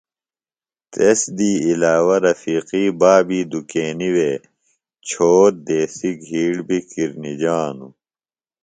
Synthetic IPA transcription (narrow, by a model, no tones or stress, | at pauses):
t̪esd̪iːilaːwɐɾɐfiːqiːbaːbiːd̪ukeːniwe | t͡ɕʰoːɾ̚d̪eːsiɡʱiːɽbʱikiɾnid͡ʑaːnu